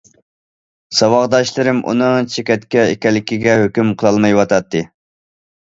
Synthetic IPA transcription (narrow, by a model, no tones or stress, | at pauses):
sɑwɑʁd̪ɑʃlˠɨɾɪmʔṵnɨŋt͡ʃʰekʲɛt̪kʲɛɪkʲɛlːɪkʲiɡʲɛɦøkʲymqʰəlˠɑlˠmɑjwɑt̪ʰɑt̪ʰːɨ